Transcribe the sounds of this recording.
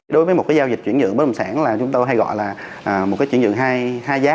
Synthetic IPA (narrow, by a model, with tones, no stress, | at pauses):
ɗo˨˦jvəː˨˦jm̚˨˩kaː˨˦jzaː˧wzi˨˩t̚t͡ɕi˧˩ənzɨ̰˧˨ə˨məː˨˦˨saː˧˩nlaː˨˩t͡ɕʊ˨˦ŋ͡mt̪o˧jɦa˧jɣɔ̰˧˨jlaː˨˩ | ʔəː˨˩mo˨˩kaː˨˦t͡ɕwi˧˩əzɨ̰˧˨əŋɦaː˧jhaː˧jzaː˨˦˥